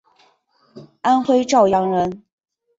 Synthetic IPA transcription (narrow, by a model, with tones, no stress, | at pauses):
a˥nxwe˥ɪʈ͡ʂɑ˥˩ʊjɑ˧˥ŋɻə˧˦˥n